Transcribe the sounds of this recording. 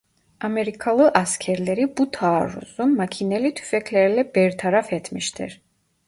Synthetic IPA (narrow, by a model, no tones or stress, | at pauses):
amɛɾikʰalˠɨʔaskʰɛɾlɛɾibut̪ʰaːɾṵzunmakʰinɛlit̪ʰy̥fɛkʰlɛɾɛlɛbɛɾt̪ʰaɾafɛt̪ʰmiʃt̪ʰɛ̰ɾ